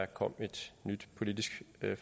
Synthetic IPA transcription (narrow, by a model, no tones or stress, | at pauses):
ækʰɒ̽m̰e̝d̥nyd̥pʰo̝lid̥isɡ̥f